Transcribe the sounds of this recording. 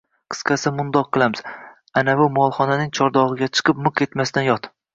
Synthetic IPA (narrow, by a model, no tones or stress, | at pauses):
qʰɨ̥sqɑsɪmʊnd̪ɒqʰːɨlˠamɪz̥ | anavʊmɒlˠχɒnanɪŋt͡ʃʰɒɾd̪ɒʁɨɡʲat͡ʃʰɨ̥qʰɨpmʊqe̞t̪mast̪anjɒt̪